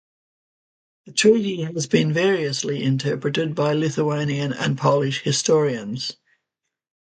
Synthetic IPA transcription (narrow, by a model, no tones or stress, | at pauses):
ðətʰɹ̥ɛːˑɾiəzbĩnvɛːɹiəsliʔɪ̰̃ntʰɜˑpɹətɪd̚baɪlɪθəẽɪ̃niə̃nə̰̃npʰɔlɪʃhɪstɔːɹiə̃nz̥